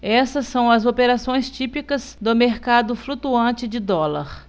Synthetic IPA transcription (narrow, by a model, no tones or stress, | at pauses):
ɛsɐsːɐ̃w̃ɐzopeɾasõj̃st͡ʃipikɐzd̪ʊmeɾkad̪ʊflut̪uɐ̃t͡ʃɪd͡ʒɪd̪ɔlɐɾ